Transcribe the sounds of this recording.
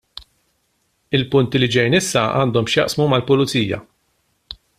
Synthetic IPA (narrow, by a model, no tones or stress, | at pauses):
ɪlpʊnt̪ilid͡ʒɛjnɪsːɐɐ̰ːnd̪ɔmʃjɐ̰ʔsmumɐlpʊlʊt͡siːjɐ̰